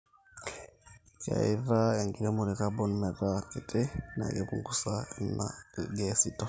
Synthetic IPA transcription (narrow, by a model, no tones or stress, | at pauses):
ka̰iɾaɛŋɡiɾɛmuɾɛkabɔnmɛɾakɛtʰɛna̰ɡɛbuŋɡusanːa̰ɡɛsitɔ